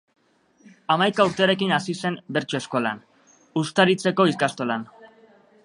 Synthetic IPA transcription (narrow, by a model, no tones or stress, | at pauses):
amajkauɾt̪e̞aɾe̞kinasise̞mbe̞ɾt͡ʃo̞e̞sko̞la̰n | ust̪aɾit͡se̞ko̞iskast̪o̞lan